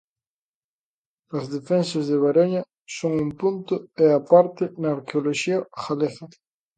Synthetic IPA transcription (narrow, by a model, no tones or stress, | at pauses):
ɐzðefensazðeβ̞aɾoɲa | soŋumpunt̪ʊeapaɾt̪enaːɾkeoloʃiɐxaleɣa